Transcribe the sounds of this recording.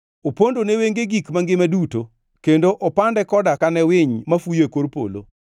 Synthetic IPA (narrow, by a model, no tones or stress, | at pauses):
opondoneweŋɡeɡikmaŋɡɪmaduto | kendoʔɔpandɛkɔdakanɛwɪɲmafujekoɾpo̰lo̰